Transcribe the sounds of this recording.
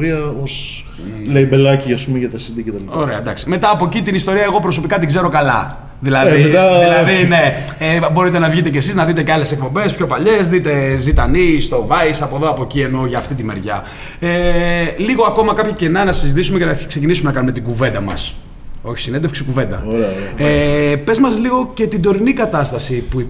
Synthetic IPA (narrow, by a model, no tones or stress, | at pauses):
ɾiɐos | leibelɐciɐspumeʝɐt̪ɐsid̪iket̪ɐlio̞ɾe̞ɐd̪ɐksi̥me̞t̪ɐːpo̞cit̪inist̪o̞ɾiɐeɣo̞pɾo̞s̬o̞pikɐt̪̬iɡze̞ɾo̞kɐlɐ̰ | ðilɐðiðilɐðine̞ | ebo̞ɾit̪e̞nɐvʝit̪e̞cesiznɐðit̪e̞ceale̞sek̚po̞mbe̞spço̞pɐʎe̞zðit̪e̞zit̪ɐnist̪o̞vɐisɐpo̞ðo̞ɐpo̞cie̞no̞ʝɐːft̪it̪ime̞ɾʝɐ̰ | eliɣo̞ɐko̞mɐkɐpçɐce̞nɐnɐsizit̪isumecenɐkse̞cinisume̞nɐkɐnume̞t̪iɡuve̞nd̪ɐmɐ̰s | o̞çi̥sinend̪efksikuve̞nd̪ɐ̰epe̞zmɐzliɣo̞ce̞t̪ind̪o̞ɾinikɐt̪ɐst̪ɐsipui